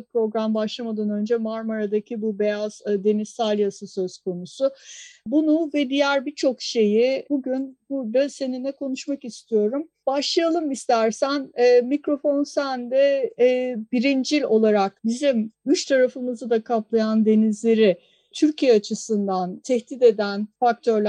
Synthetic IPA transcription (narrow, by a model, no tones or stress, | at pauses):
pɾo̞ɡɾambaʃlˠamad̪anø̞nd͡ʒɛmaɾmaɾad̪acʰibube̞jaz̥d̪e̞nizalʲˠjasɯsø̞z̥kʰo̞nusʊbunuvɛd̪ijæɾbit͡ʃʰo̞kʃe̞jibuɟynbuɾd̪ase̞ninɛkʰo̞nuʃmakist̪ʰijo̞ɾum | baʃlˠajalˠɯmist̪ʰæɾsænɛːmikɾo̞fo̞nsænd̪ɛ | biɾind͡ʒilʲo̞lˠaɾak̚bizimyt͡ʃt̪ʰaɾafɯmɯzɯd̪akʰap̚lˠajand̪e̞nizlʲe̞ɾɪ | t̪ʰyɾcʰijɛat͡ʃʰɯsɯnd̪ant̪ʰɛçd̪id̪e̞d̪ænfak̚t̪ʰøɾlʲæ